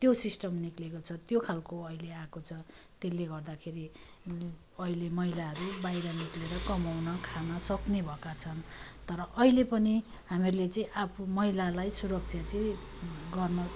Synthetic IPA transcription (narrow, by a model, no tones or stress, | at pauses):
t̪josisʈʌmniklekot͡sʰʌt̪jokʰalkoʌileakot͡sʰʌ | t̪elːeɡʌrd̪akʰeɾi | ʌilemʌɦilaɦʌɾubajɾʌnikleɾʌkʌmawnʌkʰanʌsʌknebʱʌkat͡sʰʌnt̪ʌɾʌʔʌilepʌni | ɦamirlet͡sʌĩʔapʰumʌɦilalajsuɾʌk̚t͡sʰjat͡siĩ | ɡʌrnʌ